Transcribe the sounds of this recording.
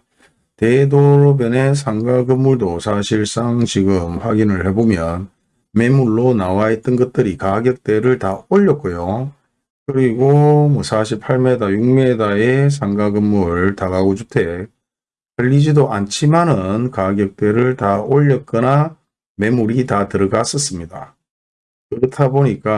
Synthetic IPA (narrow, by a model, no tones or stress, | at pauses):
te̞doɾobene̞s̬ʰaŋɡaɡɯmːuɭdosʰaɕʰiɭs͈aŋt͡ɕiɡɯmɸwaɡinɯɭhe̞bomjʌn | me̞muɭːonawaet͈ʌnɡʌt̚t͈ɯɾikaɡjʌk̚t͈e̞ɾɯɭtaoʎːʌk̚k͈ojo | kɯɾiɡomʌsʰaɕʰipʰaɭme̞dajuŋme̞daes̬ʰaŋɡaɡɯmːuɭtaɡaɡod͡ʑutʰe̞ | tɯʎːid͡ʑidoʔant͡ɕʰimanɯnkaɡjʌk̚t͈we̞ɾɯɭtaoʎːʌt̚k͈ʌna | me̞muɾitatɯɾɯɡas͈ʌs͈ɯmɲida̰ | kɯɾʌtʰaboɲik͈a